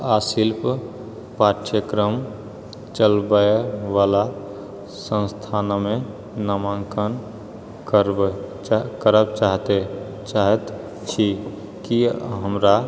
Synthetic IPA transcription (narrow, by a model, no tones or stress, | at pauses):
aːsilp | paʈʃəkɾəm | t͡ʃəlbəeʋaːla | sə̃nst̪ʰaːnmẽ | nəmãŋkən | kəɾ | kəɾəb̚t͡ʃaːɦt̪e | t͡ʃaɦət̪ | t͡ʃʰi | kiɦəmɾa